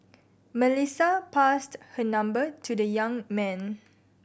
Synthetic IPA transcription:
məlisapasthənãmbətʰudəjãŋmɛ̃n

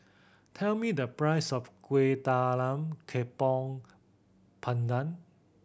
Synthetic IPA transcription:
t̪ʰɛlmiːd̪əpɹajsɔfkwet̪aːlamkʰepɔŋ | pʰand̪an

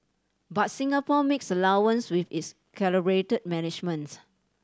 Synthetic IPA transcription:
bat̚sĩŋapɔmeksəlawə̃nswifits | kʰɛləbɹetəd̚mɛnɪd͡ʒmə̃ns

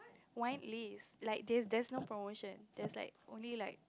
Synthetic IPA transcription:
wãj̃nlislaɪk̚dɛsdɛsnopɹomoʃə̃nd̥ɛsla̰ɪk̚ʔõ̰nlilaɪk̚

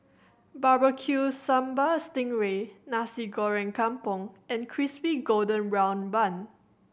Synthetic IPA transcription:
babəkʰjusãmbastɪ̃ŋɹenasiɡɔɹɛ̃nkʰãmpɔ̃ŋɛ̃nkʰɹispiɡodə̃nbɹãw̃nbãn

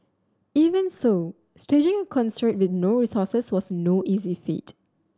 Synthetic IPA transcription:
ivə̃nso | sted͡ʒɪ̃ŋə̃kʰɔ̃nstɹ̥ɪk̚t̚wɪtnoɹisɔsəswɔsnoʔizifḭt

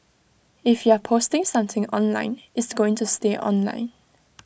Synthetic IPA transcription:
ɪfjuəpʰostɪ̃ŋsʌ̃mθɪ̃ŋɔ̰̃nlã̰ɪ̃nɪsɡ̥oɪ̃ŋtusteʔɔ̰̃nlã̰ɪ̃n

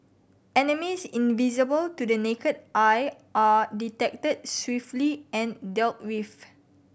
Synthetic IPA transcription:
ɛnəmisĩnvizəbəltudənekədʔaj | ʔaditɛk̚təd̚swiftliɛ̃ndɛlt̚wiv

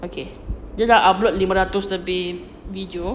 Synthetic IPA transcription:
oke | d͡ʒadaʔablɔt̪̚limə̃ɾat̪ʊst̪əbɪ | vidio

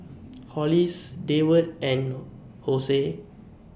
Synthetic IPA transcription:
kʰɔlisdewət̚ɛ̃n | hose

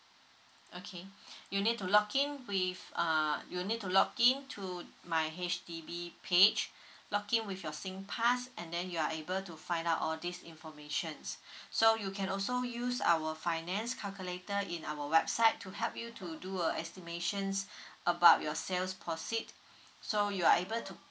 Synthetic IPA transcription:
ʔokʰejunid̚tulɔkĩnwifʌjunid̚tulɔkĩntʰumaɪɦet͡ʃdibipʰed͡ʒ | lɔkĩnwifjɔsĩŋpʰasɛ̃ndɛ̃njuaebəltufãɪj̃ndaʊtɔldisḭ̃nfɔmeʃə̃nssojukʰɛ̃nɔlsojusa̰wəfaɪnɛ̃nskʰalkjuletəĩnawəwɛbsaɪtʰːuɦɛlp̚jutʰuduəʔɛstimeʃə̃nsʔəbaʊt̚jɔselspʰɔsit̚ | sojuaebəltʰu

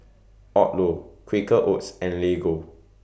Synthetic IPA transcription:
ɔt̚lokʰwikəʔotsɛ̃nleɡo

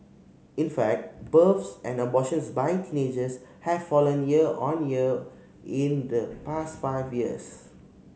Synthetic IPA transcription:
ĩnfɛk̚t̚bəfsɛ̃ndəbɔʃə̃nsbaɪtʰĩned͡ʒəshɛv̥fɔlə̃njiəɔ̃njiə | ĩndəpastfaɪvjiə̰s

